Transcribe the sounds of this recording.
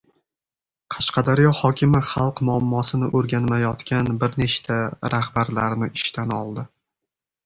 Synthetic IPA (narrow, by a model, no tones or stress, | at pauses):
qʰɑʃqɑd̪aɾjɒhɒkʲʰɪmɪχɑlˠqmʊamːɒsɪnɪʔɵɾɡʲanmajɒt̪kʲanbɪɾneʃt̪ʰaɾʔahbaɾlaɾnɪʔɪʃt̪ʰanɒ̰lˠd̪ɪ